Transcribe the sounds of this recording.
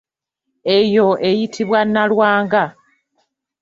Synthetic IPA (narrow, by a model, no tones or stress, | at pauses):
e̞jo̞ʔejitʰiβwanːalwaːŋɡa